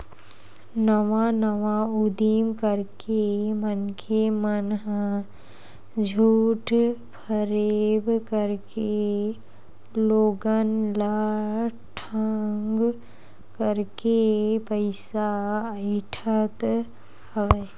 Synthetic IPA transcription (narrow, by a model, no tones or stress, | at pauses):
nɐʋãnəʋaud̪imkəɾkemənkʰemənɦə | d͡ʒʱuːʈpʰəɾebkəɾke | loːɡənla | ʈʰəŋɡ | kəɾkepəɪsaəɪʈʰət̪ | hɐʋe